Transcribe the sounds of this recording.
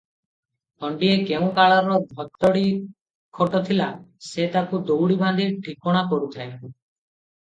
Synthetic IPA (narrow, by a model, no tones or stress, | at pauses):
ɔɳɖiekeũkaɭaɾɔbʱɔt̪ːɔɽi | kʰoʈɔt̪ʰilaset̪akud̪owɽiband̪ʱiʈʰikɔɽ̃akɔɾut̪ʰa